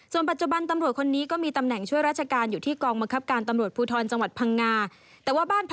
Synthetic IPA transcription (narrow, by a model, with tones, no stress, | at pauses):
su˨˩ənpa˨t̪̚t͡ɕu˨˩ba˧nt̪a˧mɾu˨˩ət̪̚kʰo˧nːiː˦˥kɔː˥˩miː˧t̪a˧mnɛ˨˩ŋt͡ɕʰu˥˩əjɾaː˥˩t͡ɕʰa˧kaː˧njuː˨˩t̪ʰiː˥˩kɔː˧ŋba˧ŋkʰa˦˥p̚kaː˧nt̪a˧mɾu˨˩ət̪puː˧t̪ʰɔː˧nt͡ɕa˧ŋwa˨˩t̪̚pʰa˧ŋːaː˧ | t̪ɛː˨˩waː˥˩baː˥˩np